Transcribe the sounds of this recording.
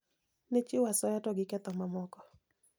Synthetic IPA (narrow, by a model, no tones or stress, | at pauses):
net͡ʃɪwasɔjatɔɡɪkɛt̪ɔmamɔkɔ